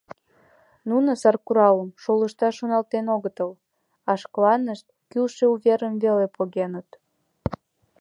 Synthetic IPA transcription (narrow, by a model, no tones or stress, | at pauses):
nunəsɑrkuɾɑləmʃoləʃt̪ɑʃonɑlt̪enoɣət̪əl | ɑʃklɑnəʃt̪̚kylʃeuβeɾəmvelepoɣenət̪